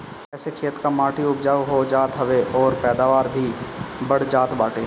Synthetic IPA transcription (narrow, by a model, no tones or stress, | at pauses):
ɛːsekʰeːt̪kamaːʈʰiʊpd͡ʒaːʋɦod͡ʒaːt̪ɦəʋeʔɔːɾpɛːd̪aːʋaːɾbʱibɐɽ̤d͡ʒaːt̪baːʈe